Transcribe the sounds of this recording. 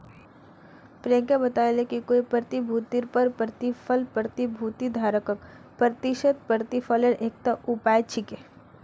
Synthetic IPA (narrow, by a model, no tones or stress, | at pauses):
pɾẽːŋkebɐt̪aːelekikoːipɾət̪ibʱuːt̪iɾpəɾpɾət̪ifʰəlpɾət̪ibʱuːt̪id̪ʱaːɾəkək | pɾɾət̪ɪʃəd̪̚pəɾt̪ifʰəleɾʔeːk̚t̪aʔʊpaːet͡ʃʰɪkeː